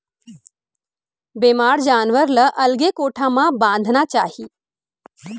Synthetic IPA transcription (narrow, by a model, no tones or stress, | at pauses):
bemaːɽd͡ʑaːnʋəɾləʔəlɡekoʈʰamabãnd̪ʱnat͡ɕaɦiː